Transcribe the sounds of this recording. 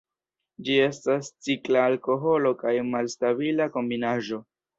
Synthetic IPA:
d͡ʒie̞stast͡siklaːlko̞ɦo̞lo̞kajmalstaβilako̞mbinaʒo̞

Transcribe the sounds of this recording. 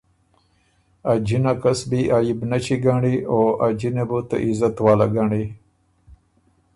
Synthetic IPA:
ad͡ʑinakɐsbiʔaːjibnɐt͡ɕiɡaːɳioʔad͡ʑinebut̪ɐ̰ʔizɐt̪waːlaɡaːɳi

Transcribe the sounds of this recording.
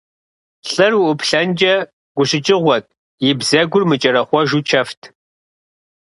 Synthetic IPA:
ɬʼɨrwuʔʷʊpʰɬɐnd͡ʒʼɐ | ɡ̥ʷʊɕɪt͡ʃʼɪʁʷɔt̚ʼ | jɪbzɐɡʷʊrmɨt͡ʃʼɐɾɐχʷɔʒut͡ʃʰɐftʰ

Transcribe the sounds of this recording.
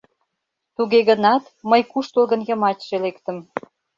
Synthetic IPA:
t̪uɣeɣənɑt̪məjkuʃt̪olɣə̆njɤ̆mɑtʲʃelekt̪ə̆m

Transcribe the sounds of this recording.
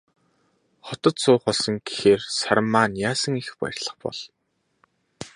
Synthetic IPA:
χɔt̪ɞ̆t̪sʊːχɔɮsɞ̆ŋɡexeːrsaɾə̆mːaːnjaːsə̆ŋixpæ̰rʲɮə̆χpɔ̰ɮ

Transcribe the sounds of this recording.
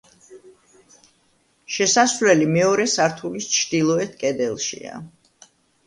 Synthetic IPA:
ʃɛsasvlɛlimɛɔɾɛsaɾt̪ʰulist͡ʃʰd̪ilˠɔɛt̪ʰkʼɛd̪ɛlˠʃḭa̰

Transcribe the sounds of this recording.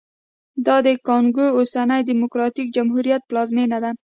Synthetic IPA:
d̪ɑd̪ekɑŋɡoosanajd̪imʊkɾɑt̪ik̚d͡ʒamɦuɾijat̪̚plɑzmenad̪a

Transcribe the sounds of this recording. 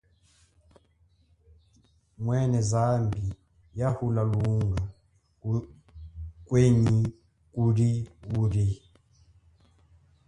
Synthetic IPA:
mwɛnɛzambi | jahulaluŋɡa | kweɲi | kuɾiuɾi

